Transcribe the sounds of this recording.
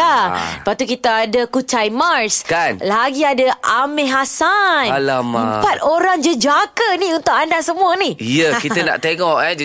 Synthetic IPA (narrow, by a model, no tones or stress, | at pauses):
aəpat̪ukit̪aːdakut͡ʃajmarskanlaɡiadaʔamɛɦasanlamaəmpat̪̚oɾaŋd͡ʒəd͡ʒakəniunt̪ʊkandasəmũanijəkit̪əna̰ʔt̪eŋɔkad͡ʒ